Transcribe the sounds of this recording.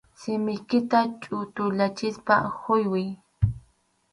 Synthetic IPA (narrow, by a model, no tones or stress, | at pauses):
sɪmɪjkɪt̪at͡ʃʼʊt̪ʊʎat͡ʃɪspaxʊjwɪj